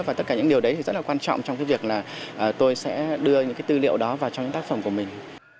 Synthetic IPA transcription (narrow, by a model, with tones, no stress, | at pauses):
va˨˩t̪ə˦˥t̚kaː˧˩ɲɨ̰˧˥ŋɗi˨˩əwɗə˨˦t̪ʰi˨˩zə˦˥t̚laː˨˩kwaː˧nt͡ɕɔ̰˧˨wŋ͡mt͡ɕɔ˧ŋ͡mkaː˨˦jvi˨˩ək̚laː˨˩ʔəː˨˩t̪o˧jsɛ̰˧˥ɗɨ˧əɲɨ̰˧˥kaː˨˦jt̪ɨ˧lḭ˧˨əwɗɔ˨˦vaː˨˩wt͡ɕɔ˧wŋ͡mɲɨ̰˧˥ŋt̪aː˦˥k̚fə˧˩mku˧˩əmï˨˩ŋ̟